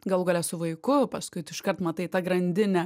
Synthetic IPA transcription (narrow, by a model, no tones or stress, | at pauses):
ɡɐlˠɡoːlʲɛsʊʋɐɪkʊpɐskʊɪtɪʃkɐrt̪mɐt̪ɐɪt̪ɐɡɾɐnʲd̪ʲɪnʲɛ